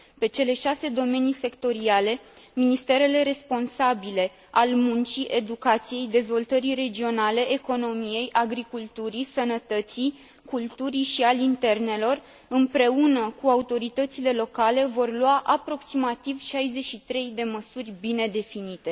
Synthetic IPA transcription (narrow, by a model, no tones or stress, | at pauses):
pe̞t͡ʃe̞le̞ʃase̞d̪o̞me̞nise̞kt̪o̞ɾiale̞ | minist̪e̞ɾe̞le̞ɾe̞spo̞nsabile̞ | almunt͡ʃiʔe̞d̪ukat̪sije̞jd̪e̞zvo̞lt̪əɾire̞d͡ʒio̞nale̞ʔeko̞no̞mije̞jʔaɡɾikult̪uɾisənət̪ət̪si | kult̪uɾiʃialint̪e̞rne̞lo̞r | ɨmpɾe̞unəkuaut̪o̞ɾit̪ət̪sile̞lo̞kale̞vo̞rlwaʔapɾo̞ksimat̪ivʃajze̞ʃit̪ɾe̞jd̪e̞məsurʲbine̞d̪e̞finit̪e̞